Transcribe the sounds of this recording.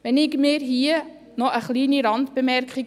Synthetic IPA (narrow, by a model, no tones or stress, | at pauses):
ʋɛnɪɡmɪːɾɦiə | nɔʔəχliːniɾɑntb̥əmɛɾkχiɡ